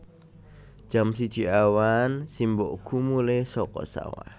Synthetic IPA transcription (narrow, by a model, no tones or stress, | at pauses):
d͡ʒ̥ams̬id̥ʒ̥iʔawansimboʔkʰumulesɔkɔ̰sa̰wa̰